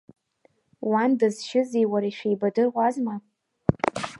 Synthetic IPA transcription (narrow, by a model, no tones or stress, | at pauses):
wandɨzʃɪzijwaɾaiʃᶣejbadɨrʁʷazma